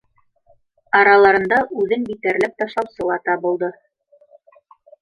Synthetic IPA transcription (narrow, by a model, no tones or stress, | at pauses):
ɑɾɑlˠɑɾɤ̆nd̪ɑʔʉðɘnbit̪æɾlɘp̚t̪ɑʃˠɑwsɤ̆lˠɑt̪ɑbɤ̆lˠd̪ɤ